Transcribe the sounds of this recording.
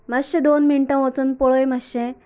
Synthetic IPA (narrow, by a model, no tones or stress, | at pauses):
maɕẽd̪onmiɳʈãʋət͡sunpɔɭojmaɕẽ